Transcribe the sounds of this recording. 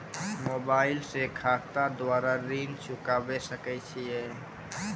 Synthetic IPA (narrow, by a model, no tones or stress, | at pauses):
mobailsekʰakt̪ad̪waɾaɾint͡ʃukabɛsəkɛt͡ʃʰijɛ